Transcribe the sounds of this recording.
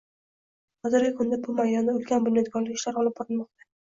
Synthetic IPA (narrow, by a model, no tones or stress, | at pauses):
χɒzɪɾɡʲɪkʰʊnd̪abʊmajd̪ɒnd̪aʊlˠkʲanbʊnjɒd̪̚ɡɒɾlɪkʲɪʃlaɾɒlˠɪp̚bɒɾɪnmɒqt̪ʰḁ